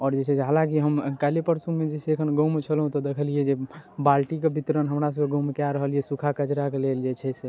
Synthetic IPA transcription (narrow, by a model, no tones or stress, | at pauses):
ɔːɾd͡ʒet͡ʃʰɛseɦalãk̬iɦəmkalepəɾsumed͡ʒɛseːkʰənɡomt͡ʃʰəlɦũt̪ɔd̪ekʰəlijed͡ʒebalʈikebit̪ɾənɦəmɾasəbeɡomkjaɾəɦəliɛsukʰakət͡ʃɾakeleld͡ʒet͡ʃʰɛse